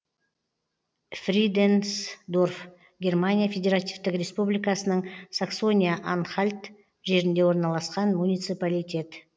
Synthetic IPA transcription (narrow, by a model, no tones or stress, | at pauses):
frʲid̪ensd̪o̞rf | ɡʲe̞rmanʲijafʲe̞dʲe̞ɾat̪ivt̪ɪkrʲe̞spublʲijkɑsənəɴsakso̞nʲijaʔanχalʲt̪ | ʒe̞ɾɪnd̪e̞wo̞ɾnɑlˠɑsqɑnmunʲijt̪sɨpalijtʲe̞t̪